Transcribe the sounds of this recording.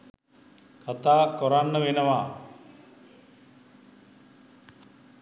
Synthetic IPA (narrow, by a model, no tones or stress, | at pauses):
kʰat̪aːkoɾanːəʋenəʋa